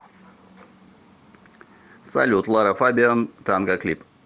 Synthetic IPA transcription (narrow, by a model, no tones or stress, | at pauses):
sa̰lʲut̪lˠaɾafabʲiant̪anɡaklʲip